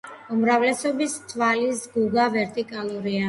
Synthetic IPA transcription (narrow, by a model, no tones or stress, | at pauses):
umɾavlɛsɔbist̪ʰvalisɡuɡavɛɾt̪ʼikʼalˠuɾia